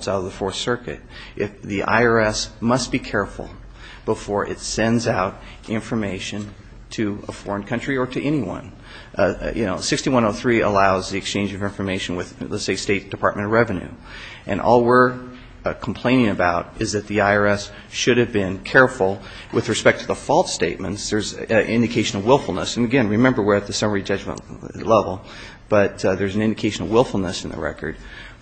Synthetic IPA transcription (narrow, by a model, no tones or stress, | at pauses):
saʊɾʌvðəfɔɹsɜ˞kɨ̰ɾʔɪfðiʔa̰ɪə˞ɛsmʌstb̥ikʰɛɹfl̩ˠ | b̥əfɔɹʔɨ̰tsɛ̃ndzaʊɾ | ʔɪ̃ɱfə˞meɪʃɨ̃n | tʰɨəfɔɹə̃nkʰʌ̃nt͡ʃɹ̥iə˞ɾɨʔɛñiwʌ̰̃n | jɨ̰no̰ʊsɪkstiwʌ̃noʊθɹiə̰laʊzðiɨkst͡ʃʰẽɪ̃nd͡ʒʌvɪ̃ɱfə˞meɪʃɨ̃n̩wɨðlɛ̰tseɪsteɪt̚d̥ɨpʰɑɹt̚mɨ̃ñʌvɹɛvɨ̃nʉ̰ | ʔɨ̰̃nʔɔ̰lˠwɪɹ | kʰm̩pʰl̥ẽɪ̃ñɪ̃ŋɨbaʊɾʔɨzðɨt̪̚ðiaɪə˞ɛs | ʃʊɾɨvbɪ̃nkʰɛɹfl̩ˠ | wʔɨðɹɨspɛk̚tʰɨðəfɔlˠtsteɪt̚mɨ̰̃ntsðə˞zʔɪ̰̃ndɨkʰeɪʃn̩ʌwɪlˠfl̩ˠnəsnɨɡɛ̃nɹɨmɛ̃mbə˞wɪɹɨt̪̚ðɨsʌmə˞id͡ʒʌd͡ʒmə̰̃nlɛvl̩ˠ | b̥ʌt̪̚ðə˞zn̩ɪ̃ndɨkʰeɪʃn̩l̩ˠwɪlˠfl̩ˠnəsn̩ðə̰ɹɛ̰kə̰˞d̥̚